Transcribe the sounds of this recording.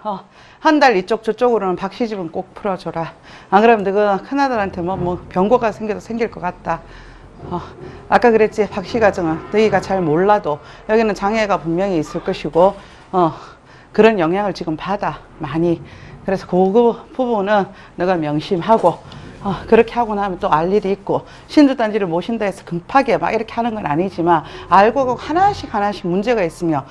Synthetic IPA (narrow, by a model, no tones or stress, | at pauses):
ʌ | handaɾit͡ɕ͈ok̚t͡ɕ͈ot͡ɕ͈oɡɯɾonɯnpak̚ɕ͈id͡ʑibɯnk͈ok̚pʰɯɾʌd͡ʑoɾaːɡɯɾʌmnɯɡakʰanadaɾɦantʰe̞mwʌmwʌpjʌŋɡwoɡasʰe̞ŋɡidosʰe̞ŋɡiɭk͈ʌk͈at̚t͈a | ʌak͈akɯɾe̞t̚t͡ɕ͈ipak̚ɕ͈iɡad͡ʑɯŋɯnnɯɡiɡat͡ɕaɭmoɭːado | jʌɡinɯnt͡ɕaŋɦe̞ɡapummjʌŋiːs͈ɯɭk͈ʌɕʰiɡo | ʌ | kɯɾʌnjʌŋjaŋɯɭt͡ɕiɡɯmpada | maɲikɯɾe̞sʰʌkoɡɯpubunɯnː | ɯɡamjʌŋɕʰimɦaɡoʌkɯɾʌkʰe̞ɦaɡonahamjʌnt͈oaʎːiɾiik̚k͈o | ɕʰind͡ʑut͈and͡ʑiɾɯɭmoɕʰindaesʰʌ̥kɯmpʰaɡe̞ma̰ɡiɾʌkʰehanɯnɡʌnaɲid͡ʑimanaɭɡoaɡohanaɕʰikhanaɕʰimund͡ʑe̞ɡais͈ɯmjo